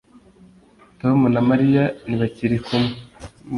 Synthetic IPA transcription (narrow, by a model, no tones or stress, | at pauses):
tomunamaɾijaniβaciɾikum